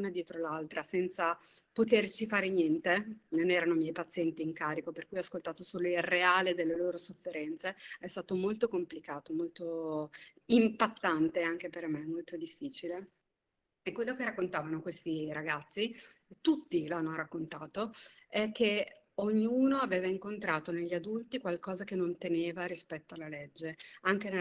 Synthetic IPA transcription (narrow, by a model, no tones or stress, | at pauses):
uːnad̪jɛːt̪ɾolalt̪ɾasɛnt̪sapot̪ert͡ʃifaːɾenjɛnt̪enonɛːɾanomjɛjpat̪sːjɛnt̪iːŋkaːɾikoperkujɔaskolt̪aːt̪osoːloilreaːled̪elːeloːɾosofːeɾɛnt̪seɛst̪aːt̪omolt̪okomplikaːt̪omolt̪o | impat̪ːant̪eaŋk̟epermeɛmːolt̪od̪ifːiːt͡ʃile | ekːwelːokerakːont̪aːvanokwest̪iɾaɡat̪sːit̪ut̪ːilanːoɾakːont̪aːt̪oɛk̟ːe | oɲːuːnoaveːvaiŋkont̪ɾaːt̪oneʎːiad̪ult̪ikwalkɔːzak̟enont̪eneːvaɾispɛt̪ːoalːaled͡ʒːeaŋken